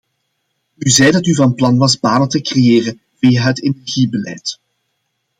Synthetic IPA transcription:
yzɛjdɑtyvɑnplɑnʋɑzbaːnətəkrejeːrə | vijaɦətenɛrɣibəlɛ̰ːjt

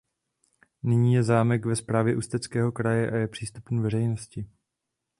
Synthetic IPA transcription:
nɪɲiːjɛzaːmɛkvɛspɾaːvjɛʔust̪ɛt͡skɛːɦo̞kɾajɛʔajɛpr̥iːst̪upnuvɛrɛjno̞scɪ

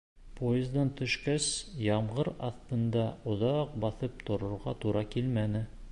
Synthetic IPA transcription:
pʰojɪzd̪ɑnt̪ɵ̆ʃkæsjɑɴʁɤɾɑθt̪ɤ̆nd̪ɑŏðɑq̚bɑθɤp̚t̪ŏɾŏɾʁɑt̪uɾɑkilmænɘ

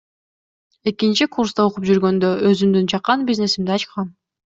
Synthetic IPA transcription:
e̞kint͡ʃikurst̪ɑoqup̚d͡ʒyɾɡø̞nd̪øøzymd̪ynt͡ʃʰɑqːɑnbʲizne̞simd̪iɑt͡ʃqɑn

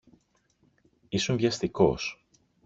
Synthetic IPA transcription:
isunvʝɐst̪iko̰s

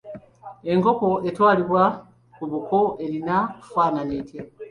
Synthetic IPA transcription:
e̞ŋko̞ko̞e̞twaːliβwa | kuβukoe̞linakufwaːnanetje

